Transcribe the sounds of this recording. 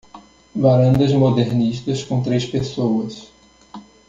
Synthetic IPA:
vaɾɐ̃nd̪ɐzmod̪eɾniʃt̪ɐskõt̪ɾespesowɐs

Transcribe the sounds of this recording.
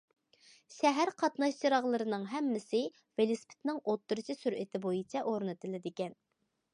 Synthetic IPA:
ʃɛɦæɾqʰɑt̪nɑʃt͡ʃiɾɑʁlˠɨɾɨnɨŋɦɛmːɪsɪ | velˠɪspʰɪ̥t̪nɪŋot̪ːuɾɨt͡ʃʰisyɾɪt̪ʰɪbojit͡ʃʰɛʔoɾnɨt̪ɨlɪd̪ɪkʲɛn

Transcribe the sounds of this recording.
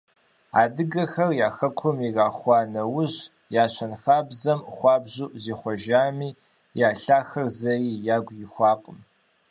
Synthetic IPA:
aːdɨɡɐxɐrjaːxɐkʷʰʊmiraːχʷɑːnɐwʊʑ | jaːɕʰʷɐnxaːbzɐmχʷɑːbʑuːʔziːχʷɔʒaːmiː | jaːɬaːxɐrzɐriːjaːɡʷjɪxʷɑːqʼəm

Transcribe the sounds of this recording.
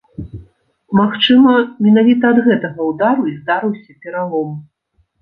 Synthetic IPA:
maxt͡ʂɨmɐmʲɛnavʲit̪ɐːd̪ɣɛt̪ɐɣɐwd̪aɾuizd̪aɾɨwsʲɐpʲɛɾalˠɔm

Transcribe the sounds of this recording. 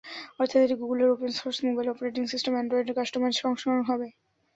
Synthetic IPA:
ɔɾt̪ʰat̪eʈiɡuɡuleɾopensoɾsmobajlɔpeɾeʈiŋsisʈemɛɳɖɾoiɖeɾkaʃʈomanʃɔŋʃonanoɦɔbe

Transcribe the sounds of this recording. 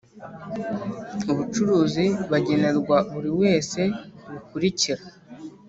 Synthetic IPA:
uβut͡ʃuɾuːziβaɟe̞ne̞ɾɡwaβuɾiwe̞ːse̞βukuɾiciɾa

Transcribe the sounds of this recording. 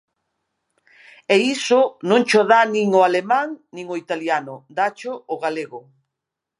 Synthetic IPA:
eisʊnõŋt͡ʃoðanĩŋoalemãŋnĩŋoit̪aljanʊd̪at͡ʃoːɣaleɣʊ

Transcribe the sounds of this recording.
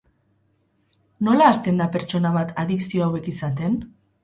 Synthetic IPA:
no̞laːst̪e̞nd̪ape̞ɾt͡ʃo̞naβ̞at̪aðiksio̞awe̞kisat̪e̞n

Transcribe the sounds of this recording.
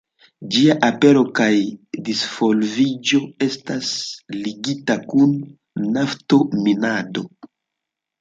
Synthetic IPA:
d͡ʒiaʔape̞ɾo̞kajdisfo̞lvid͡ʒo̞e̞stasliɡitakunː | afto̞minado̞

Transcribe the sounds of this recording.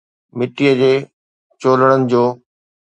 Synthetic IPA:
mɪʈːijəd͡ʑeː | t͡ɕoːləɽ̃ənɪ̆d͡ʑoː

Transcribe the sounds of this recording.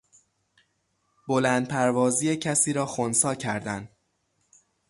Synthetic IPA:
b̥olæːnd̪̚pʰæɾvɒːziːjecʰæsiːɾɒːxonsɒːcʰæɾd̪ænd̪

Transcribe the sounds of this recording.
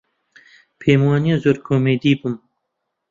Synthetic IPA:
pʰeːmwɑːnijɑːzoːɾkʰoːmeːd̪iːbum

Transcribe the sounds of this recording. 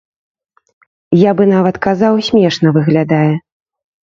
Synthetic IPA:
jabɨnavɐt̪kazawsʲmʲɛʂnɐvɨɣlʲad̪ajɛ

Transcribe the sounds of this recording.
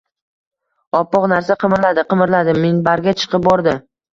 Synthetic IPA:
ɒpːɒqnaɾsaqʰɨmɪɾlad̪ɪqʰɨmɪɾlad̪ɪːenbaɾɡʲat͡ʃʰɨ̥qʰɨp̚bɒɾd̪ɪ

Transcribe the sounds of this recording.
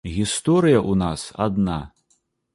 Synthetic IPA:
ɣʲist̪ɔɾɨjɐʔunasa̰d̪na

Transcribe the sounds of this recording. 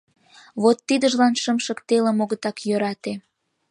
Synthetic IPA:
βot̪ːid̪əʒlɑnʃəmʃə̆kt̪elemoɣət̪ɑkjøɾɑt̪e

